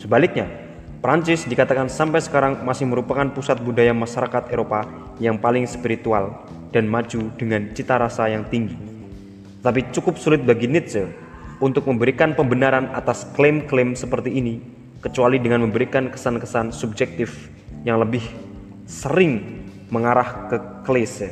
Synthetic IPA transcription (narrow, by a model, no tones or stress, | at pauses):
səbalɪk̚ɲa | pɾaɲt͡ʃɪsdikat̪akansampajsə̥kaɾaŋmasɪhməɾupakanpusat̪̚mudajamaʃaɾakat̪eɾopa | jaŋpalɪŋspiɾit̪ual | d̥anmad͡ʒudəŋant͡ʃit̪aɾasajaŋt̪iŋɡi | t̪ət̪apit͡ʃukʊp̚sulɪt̪̚baɡinɛt̪̚sə | unt̪ʊk̚məmbəɾikanpəmbənaɾanat̪asklemklemsəpərt̪iːni | kət͡ʃualidəŋanməmbəɾikankə̥sankəsansub̚d͡ʒɛk̚t̪ɪf | jaŋləbɪh | səɾɪŋ | məŋaɾahkəkles